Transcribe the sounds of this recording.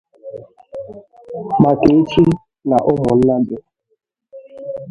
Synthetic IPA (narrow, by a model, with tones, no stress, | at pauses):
ma˨ke˨e˦t͡ʃi˦ | na˨ʔʊ˦mʊ˨n̩˦na˦dʊ˦